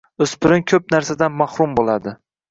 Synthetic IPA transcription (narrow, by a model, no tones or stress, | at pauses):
ɵspɪɾɪŋkʲʰɵp̚naɾsad̪anmahɾʊmbolad̪ɪ